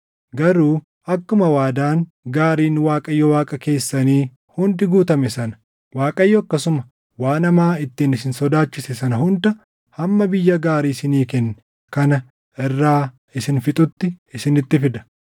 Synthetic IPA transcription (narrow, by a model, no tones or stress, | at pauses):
ɡɐɾuː | ɐkːʊmɐwaːd̪aːn | ɡaːɾiːnwaːkʼɐjːɔwaːkʼɐke̞ːsːɐniː | hʊnd̪ɪɡuːt̪ɐmɛsɐnɐ̥ | waːkʼɐjːɔɐkːɐsʊmɐ | waːnɐmaːɪt̪ːiːnɪsɪnsɔd̪aːt͡ʃːɪsɛsɐnɐɦhʊnd̪ɐ | hɐmːɐbɪjːɐɡaːɾiːsɪniːkɛnːɛ | kɐnɐ | ɪrːaː | ɪsɪnfɪt̪ʼʊt̪ːɪɪsɪnɪt̪ːɪfɪd̪ɐ̥